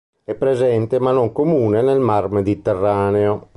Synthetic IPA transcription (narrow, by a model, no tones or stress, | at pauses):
ɛpːɾezɛnt̪emanoŋkomuːnenɛlmarmed̪it̪ɛrːaːneo